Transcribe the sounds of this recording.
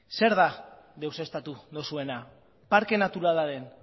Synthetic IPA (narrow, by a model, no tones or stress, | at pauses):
se̞ɾða | ðe̞wse̞st̪at̪uðosue̞na | paɾke̞nat̪uɾalaɾe̞n